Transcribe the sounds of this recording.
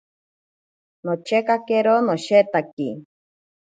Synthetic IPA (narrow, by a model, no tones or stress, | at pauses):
not͡ʃekakeɾonoʃet̪aki